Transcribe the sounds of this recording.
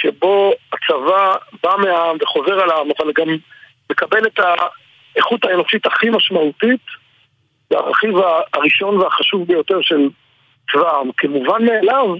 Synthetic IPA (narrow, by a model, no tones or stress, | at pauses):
ʃebo̞at͡savabameaamve̞χo̞ze̞ʁalaamavalɡamː | e̞kabe̞leta | eχutae̞no̞ʃitaχimaʃmautit̪ | vea̰ʁa̰χivaːʁiʃo̞nveaχaʃuvbe̞jo̞te̞ʁʃe̞l | t͡svaamkemuvanmeːlav